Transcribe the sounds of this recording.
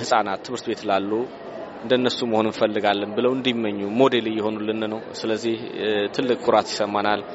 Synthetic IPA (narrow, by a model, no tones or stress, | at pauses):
hɨsʼanat̪ʰːɨβɨɾt̪be̞t̪lalːu | ɨnd̪ənːəsuməho̞nɨnfəlːɨɡalːənbɨləwɨnd̪imːəɲːumo̞d̪e̞lɨjːɪho̞nulːɨnːəwsɨləzːiht̪ʰɨlːɨkʼːʊɾat̪jɪ̥səmːanal